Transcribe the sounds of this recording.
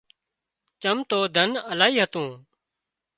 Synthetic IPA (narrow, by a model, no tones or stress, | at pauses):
t͡ʃəmt̪oːd̪ʱənəlaːɦiːɦət̪ũː